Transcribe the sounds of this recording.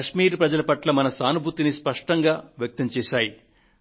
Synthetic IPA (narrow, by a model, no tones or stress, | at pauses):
ɐʃmiːɾpɾɐd͡ʒɐlɐpɐʈlɐmɐnɐsaːnubʱut̪inispɐʂʈɐŋɡaːʋjɐk̚t̪ɐmt͡ʃɛːʃaːji